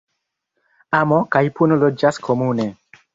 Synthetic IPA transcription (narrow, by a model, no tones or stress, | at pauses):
amokajpunolod͡ʒaskʰomune